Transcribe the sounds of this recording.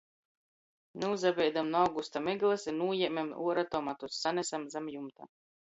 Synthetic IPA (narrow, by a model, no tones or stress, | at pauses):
neuzabʲɛjd̪amnawɡust̪amiɡlˠasinuɔjɛmʲɛmṵɔɾat̪ɔmat̪usːanʲɛsamzamjumt̪a̰